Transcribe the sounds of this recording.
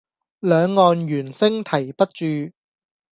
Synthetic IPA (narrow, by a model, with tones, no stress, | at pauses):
lœː˨˧ŋːɔː˨˧njyː˨˩nsɪ˥ŋt̪ʰɐ˨˩jpɐ˥t̚t͡ʃyː˧